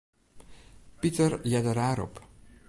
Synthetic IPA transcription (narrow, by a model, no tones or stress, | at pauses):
pitərjadəɾaːɾɔ̰p